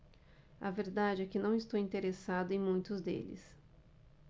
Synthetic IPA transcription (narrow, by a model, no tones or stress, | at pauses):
ɐ̰veɾd̪ad͡ʒɪɛkɪnɐ̃w̃ɪst̪owĩnt̪eɾesad̪ʊẽj̃mũj̃t̪ʊzd̪ḛlɪ̰s